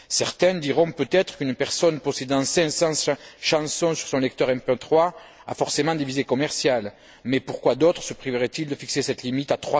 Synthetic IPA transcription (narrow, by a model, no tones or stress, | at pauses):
sɛʁt̪ɛ̃d̪iʁɔ̃pøt̪ɛt̪χə̥kynpɛʁsɔnpɔsed̪ɑ̃sɛ̃sɑ̃ʃɑ̃sɔ̃syʁsɔ̃lɛk̚t̪œʁɛ̃mpøt̪χwa | a̰fɔʁsemɑ̃d̪evizekɔmɛʁsjal | mɛpuʁkwad̪ɔt̪χəsəpχivəʁɛt̪ild̪əfiksesɛt̪limit̪at̪χwa